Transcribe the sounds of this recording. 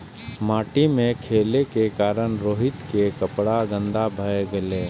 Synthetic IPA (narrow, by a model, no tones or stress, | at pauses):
maːʈimẽkʰeːlekekaːɾənɾoːɦɪt̪kekəpɽaɡə̃nd̪abʱəeɡəleː